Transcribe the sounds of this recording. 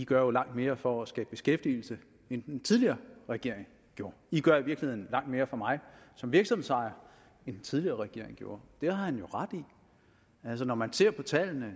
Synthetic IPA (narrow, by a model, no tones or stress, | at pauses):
iɡ̥ɶɐjo̝lɑ̈ŋ̰d̥me̝ːɐfɒ̽æsɡ̥ɛ̰ːb̥̚b̥e̝sɡ̥efd̥il̩sə | end̥ent͡sʰið̞ˠliɐːʁɛɡ̥e̝ɐ̰eŋ | ɡ̥jo̝ːɐiɡ̥ɶɐiʋiɐɡ̥lihe̝ðˠn̩lɑ̈ŋ̰d̥me̝ːɐfɒ̽mɑ̈ɪsɒ̽mʋiɐɡ̥sɒmmðˠsɑ̈ɪɐ | end̥ent͡sʰið̞ˠliɐːʁɛɡ̥e̝ɐ̰eŋ̩ɡ̥jo̝ːɐd̥e̝hɑ̈hænjo̝ʁad̥i | ælsɒnɒmænse̝ɐ̰pʰɒ̽t͡sʰɛlnə